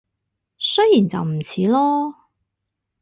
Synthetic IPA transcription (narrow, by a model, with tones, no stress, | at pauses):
sɵ˥jiː˨˩nt͡sɐ̰˨wm̩˨˩t͡sʰiː˨˥lɔː˥